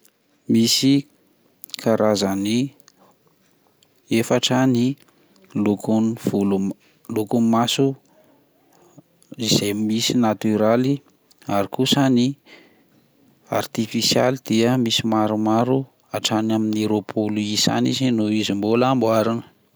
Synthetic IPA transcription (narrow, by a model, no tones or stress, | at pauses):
misi | kʰaɾʔazani | efaʈ͡ʂəni | lukunvulu | lukumasu | iz̥emisinat̪yɾali | aɾikusəni | a̰rt̪ifisja̰lid̪̥iəmisimaɾumaɾu | aʈ͡ʂanamineɾopʰuluisa̰nizinuizimbulambwaɾinə̥